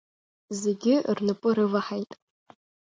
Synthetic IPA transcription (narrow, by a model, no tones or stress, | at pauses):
ze̞ɡʲɪrnɨpʼʊɾɨvaħajtʼ